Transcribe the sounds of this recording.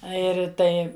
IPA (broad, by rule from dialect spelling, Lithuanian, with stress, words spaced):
ˈɐ ɪr ˈtɐɪ